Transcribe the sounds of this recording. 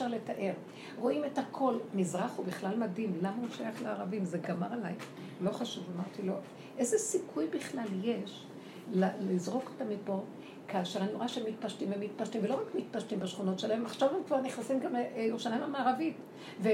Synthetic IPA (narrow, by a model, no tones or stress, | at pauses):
ʃaʁletaʔe̞ʁ | ʁo̞ʔimethakʰo̞lmizʁaχubiχlalmadimlamauʃajaχleaʁavimzeɡamaʁalaj | lo̞χaʃuvamaʁt̪ilo̞ | ʔezesikʰujbiχlalje̞ʃ | lalizʁo̞ko̥tamipo̞ | kaːʃe̞ʁanoʁaʃemit̚paʃtimemit̚paʃtimvelo̞ʁakmit̚paʃtimbaʃχuno̞tʃelaemaχʃavhemkvaʁniχnasimɡamjoʃanaemamaːʁavit | ve